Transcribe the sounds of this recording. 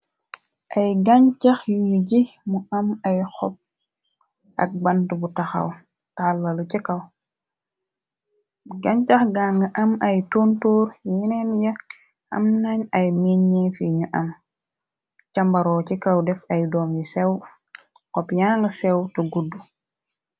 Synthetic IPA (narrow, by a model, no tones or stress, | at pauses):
ʔɐjɡaɲt͡ʃɐxjuɲuɟimuɐmɐjxɔp̚ | ʔɐ̰k̚bɐntubutaxɐ̰w | talːɐlucikɐw | ɡaɲt͡ʃɐxɡaːŋɡɐʔɐmɐjtontoːɾjinɛnjɐk | ɐ̰mnaɲɐjmiɲːefiɲuʔɐm | cɐmbɐɾɔːt͡ʃikɐwdɛfɐjdɔːmjisɛw | kɔpjaŋɡɐsɛwtɐɡudːu